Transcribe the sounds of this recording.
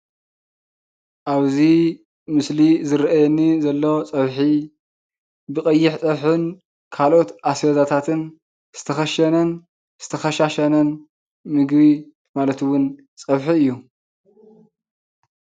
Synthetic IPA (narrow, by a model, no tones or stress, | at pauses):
ʔaβzi | mɨslizɨɾʔajɛnːizɐlːot͡sʼɐβħi | bɨkʼɐjːɪħt͡sʼɐβħɨn | kʰalo̞t̪ʔasjɐzat̪ʰat̪ʰɨn | z̥ɨ̥t̪ʰɐxɐʃɐnɐn | z̥ɨ̥t̪ʰɐxɐʃaʃɐnɐn | mɨɡβi | malɐt̪wʊn | t͡sʼɐβħiɨjːu